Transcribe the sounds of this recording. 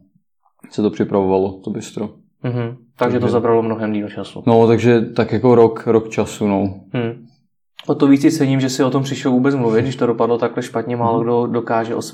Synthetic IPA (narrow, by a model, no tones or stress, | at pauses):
sɛt̪opr̝̥ɪpɾavovalot̪obɪst̪ɾo | m̩ɦm̩ | t̪aɡʒɛt̪ozabɾalomnoɦɛmdiːlt͡ʃasṵnot̪aɡʒɛt̪akjakoɾokɾokt͡ʃasunom̩ | ot̪oviːt͡sɪt͡sɛɲimʒɛsɪot̪ompr̥ɪʃlovuːbɛt͡smluvɪt̪ɡdɪʃt̪odopadlot̪aklɛʃpat̪ɲɛmaːloɡdodokaːʒɛʔos